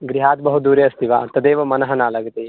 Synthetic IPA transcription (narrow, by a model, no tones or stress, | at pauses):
ɡɾiɦaːt̪̚bɐɦud̪uːɾjɐst̪iʋa̰ːɐt̪ːɐd̪eːʋɐmɐnɐɦɐnaːlɐɡɐt̪e